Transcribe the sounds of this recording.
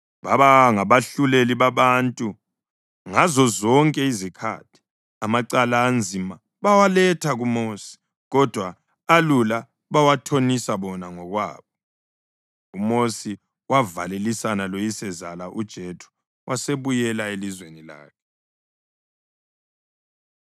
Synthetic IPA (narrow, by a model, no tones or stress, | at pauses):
βaβaŋaβaɬuleliβaβantʼu | ŋazɔzɔŋkʼɛizikʰa̰ːtʰi̥ | amaǀalaːnd͡zʱima | βawalɛtʰaɣumoːsi̥ | ɣɔd̥ʱwaː | lula | βawatʰonisaβɔnaŋɔɣwa̰ːβɔ | umosi | wavalelisanalojisɛzalaʔud̥ʒ̥ʱetʰu̥ | wʔaseβujɛlaelizwenila̰ːkʰɛ̥